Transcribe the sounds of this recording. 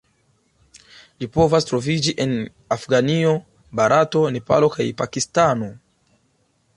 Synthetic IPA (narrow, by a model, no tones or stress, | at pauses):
lipo̞vastɾo̞vid͡ʒiʔen | afɡanio | baɾʔato̞ne̞pa̰lo̞kajpakistano̞